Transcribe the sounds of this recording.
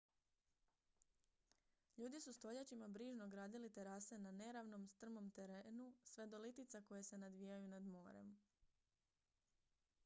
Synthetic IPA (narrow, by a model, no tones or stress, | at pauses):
ʎuːd̪isust̪o̞ʎat͡ʃimabɾiːʒno̞ɡɾaːd̪ilit̪e̞ɾase̞nane̞ɾaʋno̞mst̪r̩mo̞mt̪e̞ɾeːnusʋe̞d̪o̞lit̪it̪sako̞je̞se̞nad̪ʋiːjajunad̪mo̞ːɾe̞̰m